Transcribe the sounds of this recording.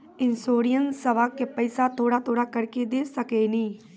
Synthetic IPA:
ɪnsoːɾijənsəʋaːkːepəɪsaːt̪ʰoːɽaːt̪ʰoːɽaːkəɾkeːd̪eːsəkeːnĩː

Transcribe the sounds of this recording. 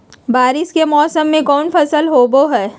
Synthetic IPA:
baːɾɪʃkemɔːsəmːẽkɔːnfɐsəlɦoːboɦɛː

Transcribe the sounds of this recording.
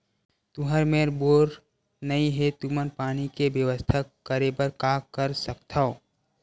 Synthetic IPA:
t̪ʊɦəɾmeɾboːɾ | nəĩɦet̪umənpaːnikebjəwəst̪ʰakːəɾebəɾkakəɾsək̚t̪ʰao

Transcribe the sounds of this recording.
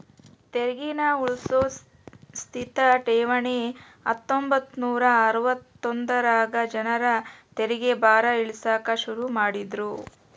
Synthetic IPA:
t̪eɾiɡinauɭsoː | st̪ʰit̪ɐʈeːʋɐɳi | ɐ̰t̪ːombɐt̪ːnuːɾɐːɾuʋɐt̪ːond̪ɐɾaːɡɐd͡ʒɐnɐɾɐt̪eɾiɡebaːɾɐiɭisaːkɐʃuɾumaːɽid̪ɾu

